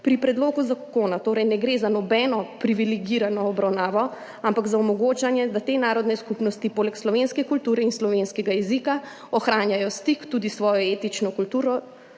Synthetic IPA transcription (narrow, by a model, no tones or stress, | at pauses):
pɾipɾɛd̪loːɡuzakonat̪oːɾɛjnɛɡɾeːzanɔbɛnɔpɾiʋilɛɡiɾanɔːbɾawnaːʋɔ | ampaɡzaɔmɔɡoːt͡ʃanjɛd̪at̪enaːɾɔd̪nɛskupnɔst̪ipoːlɛkslɔʋenskɛkult̪uːɾɛinslɔʋenskɛɡajɛzika | ɔxɾaːnjajɔst̪ikt̪ud̪isʋɔːjɔeːt̪it͡ʃnɔkult̪uːɾɔ